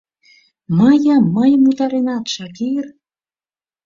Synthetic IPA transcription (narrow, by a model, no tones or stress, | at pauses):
mɤjəmːɤjmut̪ɑɾenɑt̪ʃɑkir